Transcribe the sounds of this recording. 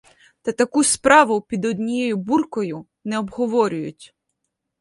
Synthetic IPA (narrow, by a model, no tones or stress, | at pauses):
t̪ɐt̪ɐkuspɾɑʋʊpʲid̪ɔd̪ʲnʲijejʊburkɔjʊ | nɛɔbɦɔʋɔɾʲʊjʊ̰tʲ